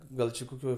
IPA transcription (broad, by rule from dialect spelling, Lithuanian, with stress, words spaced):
ˈɡɐlˠ t͡ʃʲɪ koːˈkʲoːj